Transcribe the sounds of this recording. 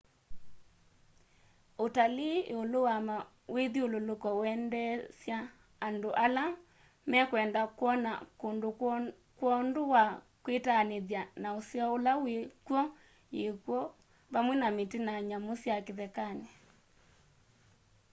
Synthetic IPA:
otaleeolowama | wʔeðiololokɔwɛndɛsjaː | ndoʔala | mɛkwɛndakwɔna̰kondo | kwɔndowa | kwetaneðjanaosjɔolawekwɔ | jekwɔ | βamwɛnametenaɲamosjakeðɛkane

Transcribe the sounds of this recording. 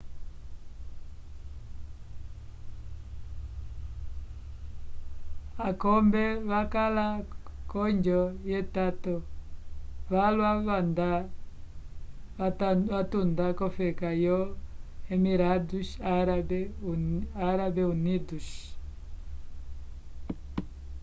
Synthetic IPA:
akɔmbɛβakalakɔɲd͡ʒɔjɛtatɔ | βalwaβanda | βatundakɔfɛkajɔɛmiɾaduʃaɾabɛ | aɾabɛuniduʃ

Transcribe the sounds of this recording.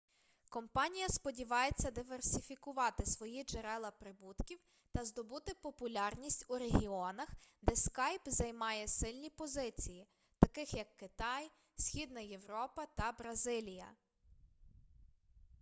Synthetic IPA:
kɔmpɑnʲijɐspɔdʲiʋɑjet͡sʲːɐd̪ɪʋersʲifʲikʊʋɑt̪ɪsʋɔjid͡ʒeɾɛlˠɐpɾɪbut̪kʲiw | t̪ɐzd̪ɔbut̪ɪpɔpʊlʲɑrnʲisʲtʲuɾeɦʲiɔnɐxd̪ɛskɑjpzɐjmɑjɛsɪlʲnʲipɔzɪt͡sʲiji | t̪ɐkɪxjɐkːɪt̪ɑj | sʲxʲid̪nɐjewɾɔpɐt̪ɐbɾɐzɪlʲijɐ̰

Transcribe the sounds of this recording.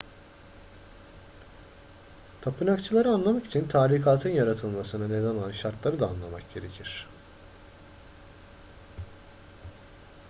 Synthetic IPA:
t̪ʰapʰɯnakt͡ʃʰɯlˠaɾɯanlˠamaki̥t͡ʃʰint̪ʰaːlʲikʰaːt̪ʰɯnjaɾat̪ʰɯlˠmasɯnɯnezanoanʃaɾt̪lˠaɾɯd̪aːnlˠamak̚ɟ̥e̞ɾecʰiɾ̝̥

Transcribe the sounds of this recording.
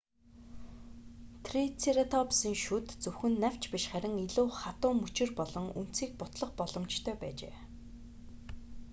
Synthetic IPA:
t̪ʰrit͡sʰeɾat̪ʰɔpsiːŋʃut̪t͡sɵwxɘ̆nːæw̥ʲt͡ɕpiʃχæɾʲɪ̆ŋiɮuːχat̪ʊːmːɵt͡ɕɪ̆rpɔɮɞ̆ŋṵn̥t͡siːk̚pʊt̪ɮɞ̆χpɔɮɞ̆mt͡ɕt̪ʰœːpæ̰ːt͡ɕḛː

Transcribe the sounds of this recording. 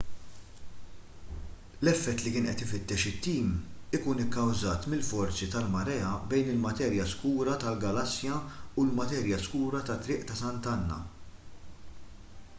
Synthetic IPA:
lɛfːɛt̪ːlikɪːnʔɛ̰t̪ɪfɪt̪ːɛʃɪt̪ːiːmɪkuːnɪkːɐwzɐːt̪mɪlfɔɾt͡sit̪ɐlmɐɾɛːɐbɛjnɪlmɐt̪ɛːɾjɐskuːɾɐt̪ɐlɡɐlɐsːjɐulmɐt̪ɛːɾjɐskuːɾɐt̪ɐt̪ːɾɪːʔt̪ɐsɐnt̪ɐnːɐ̰

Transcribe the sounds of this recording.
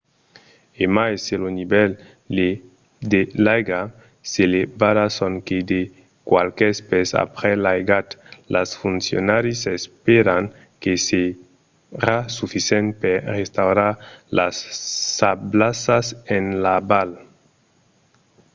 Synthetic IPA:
emajselonibɛl | e | d̪elajɡa | selebaɾasoŋked̪e | kwa̰lkɛspesa̰pɾelajɡat̪lasfunsjo̰naɾisespeɾaŋ | kese | ɾasufisɛnt̪̚peɾrest̪awɾaɾla̰sːablasasenlabal

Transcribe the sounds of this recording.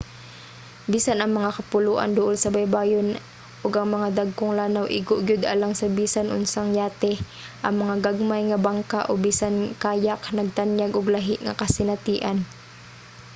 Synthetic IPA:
biːsanʔɐŋmɐŋakɐpʊluːʔɐ̰nd̪ʊʔolsɐbɐjbaːjon | ʔoɡɐŋmɐŋad̪aɡ̚koŋlaːnawʔɪɡoʔɡʊd̪ʔɐ̰laŋsɐbiːsanʔʊ̰nsaŋjaːt̪ɛ | ʔɐŋmɐŋaɡaɡ̚majŋɐbaŋkaʔobiːsankaːjaknɐɡ̚t̪anjaɡʔʊɡlɐɦɪʔŋɐ̰kɐsɪnɐt̪iːʔan

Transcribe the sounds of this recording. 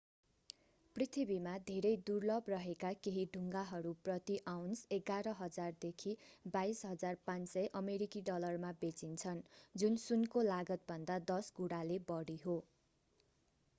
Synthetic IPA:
prit̪ʰibimad̪ʱeɾʌjd̪urlʌbrʌɦekakeɦiɖʱuŋɡaɦʌɾuprʌt̪iʔawnseɡaɾʌɦʌd͡zard̪ekʰibajsɦʌd͡zarpãnsʌjʔʌmeɾikiɖʌlʌrmabet͡sint͡sʰʌnd͡zunsunkolaɡʌt̪̚bʱʌnd̪ad̪ʌsɡuɽalebʌɽiɦo

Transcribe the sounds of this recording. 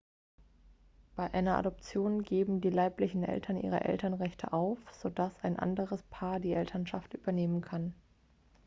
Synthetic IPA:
b̥aɪʔaɪnɐʔa̰dɔp̚t͡sjoːnɡeːbm̩diːlaɪplɪçn̩ʔɛ̰ltʰɐnʔḭːʁ̞ɐ̰ʔɛ̰ltɐnʁɛçtʰə̰ʔaʊfz̥odasaɪnʔa̰ndəʁəspʰaːɐdiːʔɛltʰɐnʃaftʔyːbɐneːmənkʰan

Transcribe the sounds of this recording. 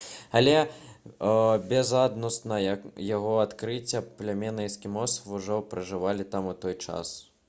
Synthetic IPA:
ɐlʲɛ | bʲɛzad̪nɔst̪nɐjjaɣɔat̪kɾɨt͡sʲːɐplʲamʲɛnɨiskʲimɔsvuʐɔpɾɨʐɨvalʲit̪amut̪ɔjt͡ʂa̰s

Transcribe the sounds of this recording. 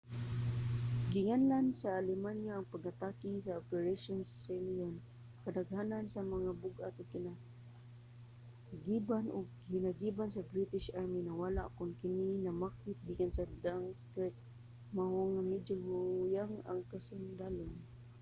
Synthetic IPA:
ɡɪŋanansaːlɪmanjaːŋpaɡat̪akɪŋsaopɛɹaʃʊnselion | kad̪aɡhanansamaŋabʊɡa̰t̪ʊɡ̚kɪna | ɡibanʔʊ̰ɡ̚hɪnaɡibansabɾit̪ɪʃʔaɹminawalaʔkʊnkɪninamak̚wɪt̪̚ɡikansad̪aŋkɛt̪̚ | mahʊŋamɪd͡ʒʊhʊjaŋa̰ŋkasʊnd̪alʊn

